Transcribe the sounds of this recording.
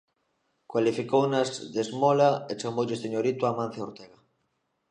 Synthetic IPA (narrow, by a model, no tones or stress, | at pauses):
kwalifikownazðezmolaet͡ʃamowʎest̪eɲoɾit̪ʊamãn̟θeoɾt̪eɣa